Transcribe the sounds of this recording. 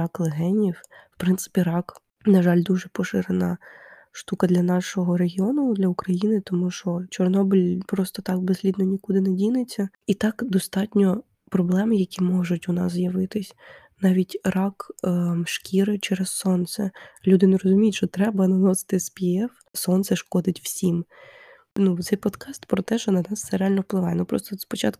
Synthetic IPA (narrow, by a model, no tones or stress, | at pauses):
ɑklˠeɦɛnʲiwwpɾɪnsɪ̥pʲiɾɑk | nɐʒɑlʲd̪uʒɛpɔʃɪɾenɐ | ʃt̪ukɐd̪lʲɐnɑʃɔɦɔɾeɦʲiɔnʊd̪lʲɐʊkɾɐjinɪt̪ɔmuʃɔt͡ʃɔrnɔbɪlʲpɾɔst̪ɔt̪ɑk̚bezʲlʲid̪nɔnʲikud̪ɪnedʲinɪt͡sʲːɐit̪ɑkd̪ɔst̪ɑtʲnʲɔ | pɾɔblˠɛmɪjɐkʲimɔʒʊtʲʊnɑ̰s̬zjɐʋɪt̪ɪsʲ | nɑʋʲitʲrɑkʃkʲiɾɪt͡ʃɛɾɛsːɔnt̪sɛlʲud̪ɪneɾɔzʊmʲijtʲʃt͡ʃɔt̪ɾɛbɐnɐnɔsɪ̥t̪ɪspʲiɛf | sɔnt̪sɛʃkɔd̪ɪtʲw̥sʲim | nut̪sɛjpɔd̪kɑst̪pɾɔt̪ɛʃɔnɐnɑsːɛɾealʲnɔfplˠɪʋɑjɛnupɾɔst̪ɔspɔt͡ʃɑt̪kʊ